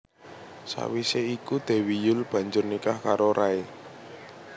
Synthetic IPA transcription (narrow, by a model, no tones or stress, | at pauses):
sa̰wiseikud̪̥e̤wijʊlb̥ä̤ɲd͡ʒʊrnikahkaɾoɾʔae